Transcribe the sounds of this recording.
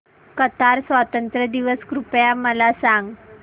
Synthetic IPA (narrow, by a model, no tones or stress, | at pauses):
kət̪aɾsʋat̪ənt̪ɾəd̪iʋəskɾupjaməlasãŋɡ